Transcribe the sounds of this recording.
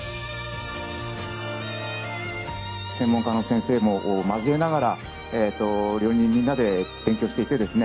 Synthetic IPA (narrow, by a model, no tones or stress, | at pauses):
sẽ̞mːõ̞ŋkano̞sẽɰ̃se̞ːmo̞ʔːmazɨe̞naɡaɾa | et̪ːo̞ɾʲo̞ːɲ̟ĩɲːĩnːad̪e̞b̥ẽ̞ŋkʲoɕi̥t̪e̞it̪e̞d̪e̞sɨne